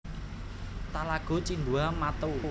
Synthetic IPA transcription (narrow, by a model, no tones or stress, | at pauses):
t̪alaɡ̥o̤t͡ʃind̪uamat̪u